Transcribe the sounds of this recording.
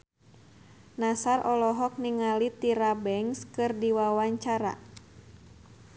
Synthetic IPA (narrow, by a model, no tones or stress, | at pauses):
nasarɔlɔɦɔk̚niŋalit̪iɾabɛŋskɨrdiwawaɲt͡ʃaɾa̰